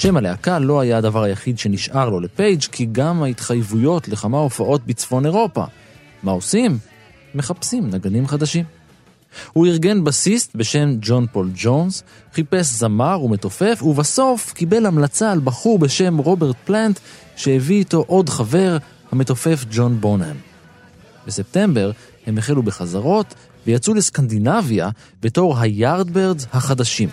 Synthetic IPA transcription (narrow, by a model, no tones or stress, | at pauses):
ʃe̞maleakalo̞ajaad̪avaʁajaχid̪ʃe̞niʃʔaʁlo̞le̞pe̞jd͡ʒkʰiɡamait̪χajvujo̞tle̞χamaofaʔo̞t̚bit͡sfo̞ne̞ʁo̞pa̰ | mao̞simː | e̞χapsimnaɡanimχad̪aʃim | huiʁɡe̞nbasist̪̚be̞ʃe̞md͡ʒo̞npo̞ld͡ʒo̞ns | χipe̞s̬zamaʁume̞t̪o̞fe̞fuvaso̞fkibe̞lhamlat͡salbaχuʁbe̞ʃe̞mʁo̞be̞ʁt̪̚plant̪ | ʃeeviːto̞ʔo̞dχave̞ʁ | hame̞t̪o̞fe̞fd͡ʒo̞nbo̞nḛm | bese̞p̚t̪e̞mbe̞ʁ | he̞meχelube̞χazaʁo̞t̪ | vejat͡suleskandinavja | be̞to̞ʁɦajaʁd̪beʁzhaχad̪aʃim